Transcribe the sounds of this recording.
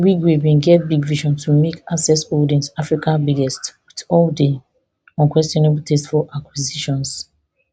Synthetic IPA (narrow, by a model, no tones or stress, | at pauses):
wiɡɹebĩnɡɛtbiɡviʃɔ̃ntʰumekasɛsodiɛ̃nsafɹikãnbiɡɛstwitɔlde | ɔ̃nkwɛstjɔnebultʰɛstfɔʔakwiziʃɔ̃ns